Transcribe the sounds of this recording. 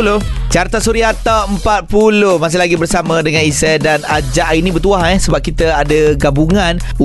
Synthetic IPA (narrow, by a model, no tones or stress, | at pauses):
lot͡ʃart̪asuɾiat̪awəmpat̪̚pulohmãs̬ɪlaɡibərsamə̃dəŋanisɛdanad͡ʒaʔinĩbərt̪uaɦɛhsəbap̚kit̪əadəɡabuŋãn